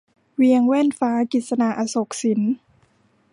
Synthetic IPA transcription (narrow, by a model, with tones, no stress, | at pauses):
wi˧əŋwɛː˥˩nfaː˦˥ki˨˩t̪̚sa˧na˨˩ʔa˧so˨˩k̚si˨˩˦n